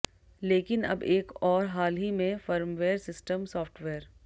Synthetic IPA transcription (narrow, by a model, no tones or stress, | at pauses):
leːkɪnɐ̰beːkɔːɾɦaːlɦimẽfɐɾmʋeːɾsɪsʈəmsɔːfʈʋeːɾ